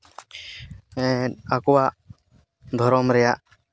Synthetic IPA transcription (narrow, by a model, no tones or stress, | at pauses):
ɛakɔwaʔ | d̪ʱɔɾɔmɾɛjaʔ